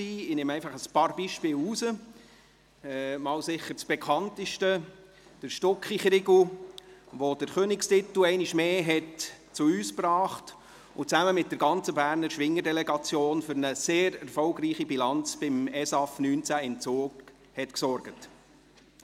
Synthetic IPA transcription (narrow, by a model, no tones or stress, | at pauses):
iːɪnemɛæɪfɑχəspɑːɾb̥iʃpɪːlusə | ɛmɑːwsɪχːəɾt͡sb̥ɛkʰχɑntəʃtə | d̥əɾʃtɔkχiχɾɪɡl̩ | ʋod̥əɾχøːnɪkstɪt̪l̩ɛɪnɪʃmeːɦɛt | t͡suyːsprɑːχt | ʊt͡sæməmɪt̚d̥əɾɡɑnt͡səbæːɾnəɾʃʋɪŋːəɾdɛlɛɡɑt͡sjoːnfʏɾnəseːɾɛɾfɔʊɡɾiːχibilɑnt͡sb̥ɪmɛsɑfnyːnt͡sæɪmt͡suːɡ | hɛtksɔɾɡ̥ət